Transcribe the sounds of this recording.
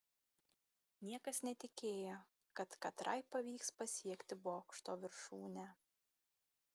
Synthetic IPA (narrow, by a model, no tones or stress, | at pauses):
nʲiɛkɐsnʲɛt̪ʲɪkʲeːjoː | kɐt̪kɐt̪ɾʔɐɪpɐʋʲiːkspɐsʲiɛkʲt̪ʲɪboːkʃt̪oːʋʲɪɾʃuːnʲæ